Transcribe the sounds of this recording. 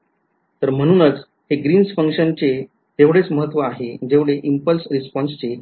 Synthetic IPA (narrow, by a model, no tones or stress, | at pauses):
t̪əɾm̤əɽ̃uːnət͡s | heɡɾiːnsfəŋkʂənt͡ɕe | t̪eʋɽet͡sməɦət̪ːʋəaɦed͡ʑeʋɽeʔimpəlsɾispɔnst͡ɕe